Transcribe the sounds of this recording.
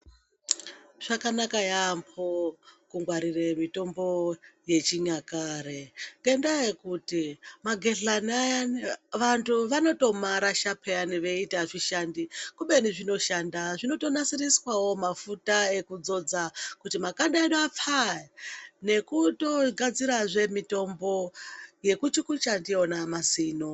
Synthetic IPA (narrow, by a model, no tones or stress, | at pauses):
ʐ̥akanakajampʰokuŋɡwaɾiremito̞mbo̞je̞t͡ʃiɲakaɾeŋɡendajekutimaɡʱe̞ɮanaaʋantʰuʋano̞to̞maɾaʃapʰeaniʋe̞itaʐiʃandikuɓe̞niʐino̞ʃandaʐino̞to̞nasiriswawo̞mafutae̞kud͡zo̞d͡zakutimakanɗaeɗap͡fa | ne̞kuto̞ɡʱad͡ziɾaʐe̞mito̞mbo̞je̞kut͡ʃikut͡ʃandionamasiːno̞